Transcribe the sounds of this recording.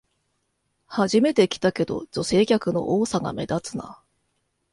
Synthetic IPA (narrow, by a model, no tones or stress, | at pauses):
haʑime̞t̪e̞kʲi̥t̪ake̞d̪o̞̰d͡ʑo̞se̞ːkʲakɯ̟no̞̰ʔoːsaɡa̰me̞̰d̪at͡sɨna̰